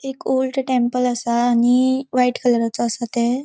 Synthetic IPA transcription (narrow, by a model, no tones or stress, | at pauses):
ekolʈʈẽmpələsaːñiʋaiʈkʰələɾat͡sɔːsat̪e